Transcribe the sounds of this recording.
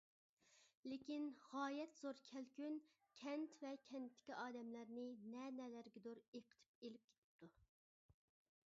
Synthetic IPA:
lekʲinʁɑːjɛt̪z̥oɾkʲʰɛlkʲyn | kʲʰɛnt̪vɛkʲʰɛnt̪ʰːɪ̥kʲiʔɑːd̪ɛmlæɾnɪnɛnɛlæɾɡʲɛd̪oɾeqʰə̥t̪ʰy̥p̚elɪp̚kʲʰe̥t̪ʰɪ̥p̚t̪ʰu

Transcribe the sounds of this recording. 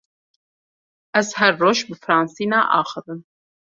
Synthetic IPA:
ʔæzhɛɾːoːʃbɨfɨɾɑːnsiːnɑːʔɑːxɨðɨm

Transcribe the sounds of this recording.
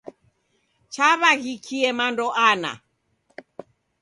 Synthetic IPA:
t͡ʃaβaɣikʰiɛmandɔʔana̰

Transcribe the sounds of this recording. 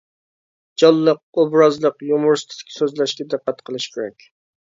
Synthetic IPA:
d͡ʒɑlˠːəq̚obɾɑzlˠəqjomʊɾst̪ʰɪd̪ɪ̥kʲːsøzlɛʃkʲɛd̪ɨqːæt̪qʰəlˠɨʃkʲʰeɾɛ̰kʲ

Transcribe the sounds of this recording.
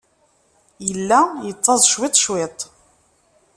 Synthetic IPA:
jəlːæjət͡s̪ˤːɑðˤʃwɪt̪ˤʃwɪt̪ˤ

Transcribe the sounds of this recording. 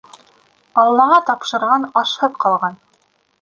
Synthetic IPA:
ɑlˠːɑʁɑt̪ɑpʃɤ̆ɾʁɑnɑʃhɤpqɑlˠʁɑn

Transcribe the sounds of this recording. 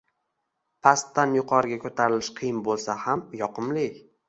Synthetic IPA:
pʰast̪ːanjʊqʰɒɾɪɡʲakʰɵt̪ʰaɾɪlɪʃqʰɨjɪmbolˠsahamjɒqʰɨmlɪ

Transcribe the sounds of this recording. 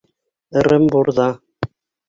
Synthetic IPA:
ɤ̆ɾɘmbuɾðɑ

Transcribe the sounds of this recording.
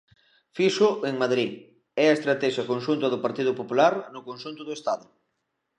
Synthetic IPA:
fiʃʊeŋmaðɾi | ɛɐest̪ɾat̪ɛʃɐkonʃunt̪ɐðʊpaɾt̪iðʊpopulaɾnʊkonʃunt̪ʊðʊest̪aðʊ

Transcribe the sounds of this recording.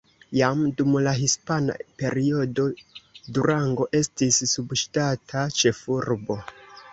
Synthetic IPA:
jamdumlaɦispana̰pe̞ɾio̞do̞duɾaŋɡo̞ʔe̞stisːubʃtatʰat͡ʃe̞fuɾbo̞

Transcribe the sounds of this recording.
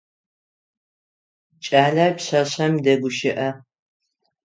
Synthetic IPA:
t͡ʃʼaːɮaːpɕɐɕɐmdɐɡʷʊʃɪʔɐ

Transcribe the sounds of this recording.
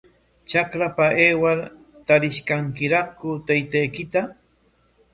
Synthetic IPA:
t͡ʃakɾapaʔeːwaɾ | t̪aɾɪʃkaŋkɪɾakʊt̪ajt̪ajkɪt̪a

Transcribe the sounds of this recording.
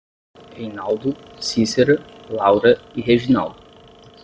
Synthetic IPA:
hejnawd̪ʊ | sizeɾɐ | lawɾɐiɦeʒina̰wd̪ʊ

